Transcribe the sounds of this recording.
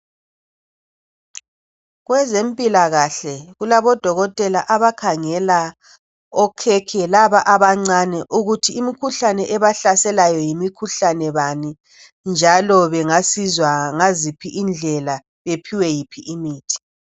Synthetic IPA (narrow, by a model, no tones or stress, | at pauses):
ɣwɛzempʼilaɣaɬɛɣulaβɔd̥ʱɔɣɔtʼɛlaʔaβakʰaŋɛla | ɔkʰɛkʰɛlaβaʔaβaŋ͡ǀanɛʔuɣutʰiːmikʰuɬanɛʔɛβaɬasɛlajɔjimikʰuɬanɛβani | nd͡ʒʱalɔβɛŋasizwaŋazipʰiʔind͡ɮʱɛla | βepʰiwɛjipʰiʔimiːtʰi̥